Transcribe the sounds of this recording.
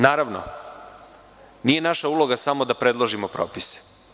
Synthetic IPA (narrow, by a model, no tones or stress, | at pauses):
naːɾaʋno̰ | nije̞naʃaulˠo̞ɡasamo̞d̪apɾe̞d̪lˠoʒimopɾoːpise̥